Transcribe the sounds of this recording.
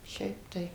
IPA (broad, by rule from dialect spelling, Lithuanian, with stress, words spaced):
ˈʃʲɛɪp tɐɪ